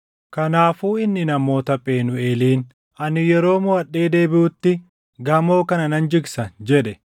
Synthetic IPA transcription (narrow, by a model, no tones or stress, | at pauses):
kɐnaːfuːɪnːɪnɐmo̞ːt̪ɐpʼe̞ːnʊe̞ːliːn | ʔɐnɪjɛɾo̞ːmʊɐɗːeːd̪e̞ːbɪʊt̪ːɪ | ɡɐmo̞ːkɐnɐnɐnd͡ʒɪɡsɐnd͡ʒɛᶑɛ